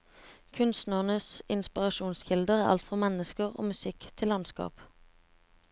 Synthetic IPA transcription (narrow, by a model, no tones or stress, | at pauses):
kʰʉnst̪næʁnəsɪnspɪʁɑʃuːnsçɪld̪əʁæːʔɑ̰lt̪fʁɑmɛnəskəʁo̰ːmʉsɪkt̪ʰɪlːɑnskɑ̰ːp